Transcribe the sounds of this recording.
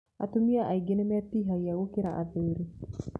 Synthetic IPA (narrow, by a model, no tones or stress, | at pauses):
a̰tomiaʔaiɡenemɛtiɦaiaɣokeɾaʔa̰ðeɾe